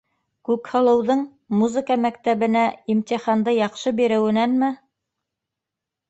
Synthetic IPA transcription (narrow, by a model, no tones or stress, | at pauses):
kʉkhɤ̆lˠɤ̆wðɤɴ | muzɘ̆kamækt̪æβɘ̆næimt̪ʲiχɑnd̪ɤjɑqʃɤbiɾɘ̆wɘ̆nænmɘ